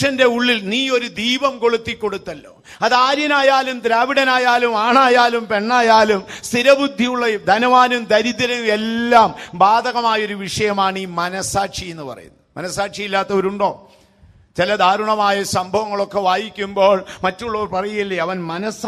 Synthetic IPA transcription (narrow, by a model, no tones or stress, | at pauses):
ʂɐnde̞uɭːilniːo̞ɾud̪iːbɐmko̞ɭut̪ːikːo̞ɽut̪ːɐlːo̞̰ː | ɐðaːɾjɐnaːjaːlumd̪ɾaːʋiɽɐnaːjaːlumaːɳaːjaːlumpe̞ɳːaːjaːlumst̪iɾɐbud̪ʱːijuɭːɐd̪ʱɐnɐʋaːnumd̪ɐɾiðɐlɐelːaːmbaːd̪ʱɐɣɐmaːjɐo̞ɾuʋiʂɐjɐmaːɳiːmɐnɐsaːʈʂije̞nːɨpɐ̰rɐ̰jṵnːɐmʔɐnɐsaːʈʂijilːaːt̪ːɐʋɐɾuɳɖo̞ː | t͡ɕilɐd̪ʱaːɾuɳɐmaːjɐsɐmbʱɐʋɐŋːɐɭo̞kːe̞ʋaːjikʲːumboːɭmɐtːuɭːɐorpɐrɐjujilːɐɐʋɐnmɐnɐs